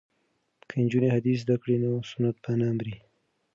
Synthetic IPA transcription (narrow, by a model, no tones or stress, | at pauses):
kʰəɪnd͡ʒunehad̪is̬zd̪akɽinosʊnat̪̚banamɾi